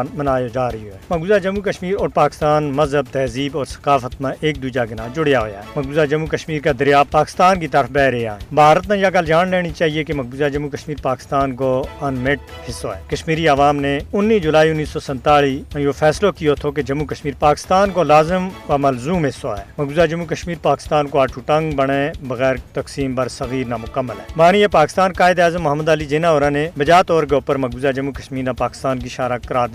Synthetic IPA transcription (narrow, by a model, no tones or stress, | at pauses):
nmənaːjod͡ʒaːɾɦioɛːməɡuːzaːd͡ʒəmːukəʃmiːɾɔːɾpaːkɪst̪aːnməzɦəb̚t̪ɛːziːbɔːɾsə̥kaːfʰət̪mãʔeːk̚d̪uːd͡ʒaɡɪnãːd͡ʒʊɽjaɦoja̰ːɦɛməɡuːzaːd͡ʒəmːukəʃmiːɾkad̪əɾjaːpaːkɪ̥st̪aːnkit̪əɾəfbɛːɾeaːɦɛ̃ːbʱaːɾət̪mãːjaːɡəld͡ʒaːnleːɽ̃it͡ʃaːɦiekeməɡuːzad͡ʒəmukəʃmiːɾpaːkɪ̥st̪aːnkoənmɪʈ | hɪsːoɛːkəʃmiːɾiaʋaːmneʊnːiːd͡ʒʊlaːiʊnːiːsɔːsə̃nt̪aːɭiːjofʰɛːslokijot̪ʰok̬ed͡ʒɐmukɐʃmiːɾpaːkɪ̥st̪aːnkolaːzɪmʋaːmɐlzuːmɦɪsːoɦɛːmɐɡuːzaːd͡ʒɐmːuk̬əʃmiːɾpaːkɪ̥st̪aːnkoaːʈʰuːʈə̃ŋɡbəɽ̃ebɐɣɛːɾt̪ɐksiːmbɐɾsɐɣiːɾnaːmʊkəmːəlɦɛːmaːniɛpaːkɪst̪aːnkaːɪd̪aːzəmːɐɦəmːəd̪aːlid͡ʒenãːoɾãːnebɐd͡ʒaːt̪ɔːɾk̬eʊpəɾmɐɡuːzaːd͡ʒɐmːukəʃmiːɾnãpaːkɪ̥st̪aːnk̬iʃaːɾakɐɾaːɾd̪